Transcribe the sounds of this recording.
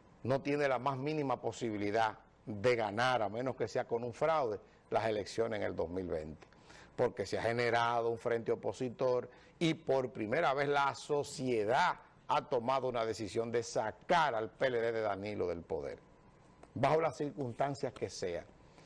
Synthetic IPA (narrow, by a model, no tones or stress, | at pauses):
no̞t̪jenelamasmĩnĩmapo̞siβ̞iliða | ðe̞ɣanaɾamẽno̞ske̞se̞ako̞nuɱfɾawðe̞ | lase̞le̞ksjo̞neseŋe̞ld̪o̞smilβe̞̰nt̪e̥ | po̞ɾke̞seahe̞ne̞ɾaðo̞uɱfɾe̞nt̪eo̞po̞sit̪o̞ɾ | ipo̞ɾpɾime̞ɾaβe̞slaso̞sje̞ða | at̪o̞maðo̞unaðe̞sisjo̞nd̪e̞sakaɾalpe̞le̞ðeðe̞ðanilo̞ðe̞lpo̞̰ðe̞̰ɾ | baho̞lasːiɾkunst̪ansjaske̞se̞a̰